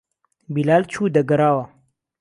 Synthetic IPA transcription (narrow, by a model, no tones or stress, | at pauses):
bilaːlt͡ʃʰuːd̪ɐɡɐɾaːwa